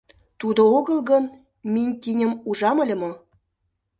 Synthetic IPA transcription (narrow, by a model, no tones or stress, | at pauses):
t̪ud̪ooɣə̆lɣɤn | minʲt̪inʲə̆muʒɑməlʲə̆mo